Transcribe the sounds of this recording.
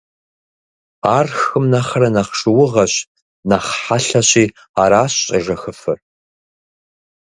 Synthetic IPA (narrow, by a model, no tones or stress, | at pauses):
aːrxɨmnɐχɐɾɐnɐχʂɨwʊʁɐɕ | nɐχħaɬɐɕʼiː | aːɾaːɕɕʼɐʒɐxɨfɨr